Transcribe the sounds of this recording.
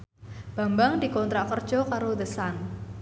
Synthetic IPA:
b̥a̤mbaŋd̪̥i̤kɔnt̪ɾaʔkərd̥ʒ̥ɔ̤kaɾod̪əsan

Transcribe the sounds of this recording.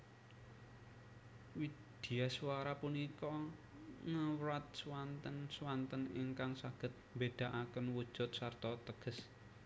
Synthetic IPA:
wi | d̪̥i̤asuwaɾapunikɔ | ŋəwɾat̪̚swant̪ənswant̪ənḭŋkaŋsaɡ̥ə̤t̪̚mbed̪̥a̤ʔakənwu̥ʒ̥ʊt̪̚sart̪ɔt̪əɡ̥əs

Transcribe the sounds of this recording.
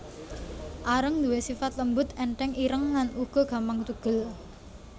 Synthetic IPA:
ʔaɾəŋd̪uwesifat̪ləmbʊt̪ɛɳʈɛŋiɾəŋːanuɡ̥ɔ̤ɡ̥a̤mpaŋt̪uɡ̥ə̤l

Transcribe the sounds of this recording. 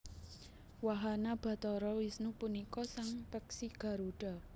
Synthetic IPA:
waɦanab̥ä̤t̪ɔɾɔwisnupunikɔsaŋpɛksiɡ̥ä̤ɾuɖ̥a̤

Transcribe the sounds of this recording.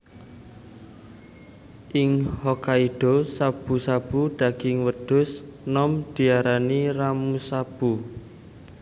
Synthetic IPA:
ʔɪŋhɔkaiɖ̥osab̥ṳsab̥uɖ̪̥a̤ɡ̥ɪŋwəd̥ʊ̤snɔmd̪̥i̤aɾaniramusab̥u

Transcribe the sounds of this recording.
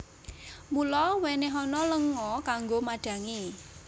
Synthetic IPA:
mulɔweneɦɔnɔləŋɔkaŋɡomaɖ̥ä̤ŋi

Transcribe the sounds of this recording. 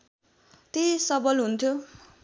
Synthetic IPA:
t̪esʌbʌlɦunt̪ʰjo

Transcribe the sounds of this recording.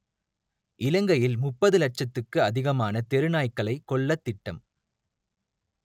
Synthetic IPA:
ʔɪlɐŋɡɐjɪlmʊpːɐðɯlɐʈ̚t͡ʃɐt̪ːɯkːɯɐðɪɣɐmaːnɐt̪ɛɾɯnaːjkːɐɭɐɪkːɔɭːɐt̪ːɪʈːɐm

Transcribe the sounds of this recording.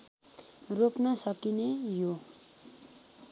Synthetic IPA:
ropnʌsʌkinejo

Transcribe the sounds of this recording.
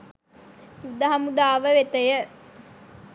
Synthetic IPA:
jud̪aɦamud̪aːʋəʋet̪əjə

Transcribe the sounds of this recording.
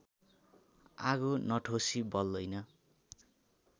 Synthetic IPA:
a̰ɡonʌʈʰosibʌld̪ʌjnʌ

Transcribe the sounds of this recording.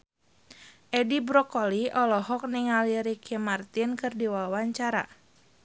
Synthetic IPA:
ʔɛdibɾɔkɔliɔlɔɦɔk̚niŋaliɾikʰimart̪inkɨrdiwawaɲt͡ʃaɾa̰

